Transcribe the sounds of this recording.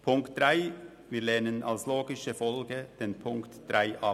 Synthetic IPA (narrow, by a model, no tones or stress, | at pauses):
pʰʊŋkt̚d̥ʁaɪ | viːlɛnənʔa̰lsloːɡɪʃəfɔlɡəd̥eːnpʰʊŋktd̥ʁaɪʔɑ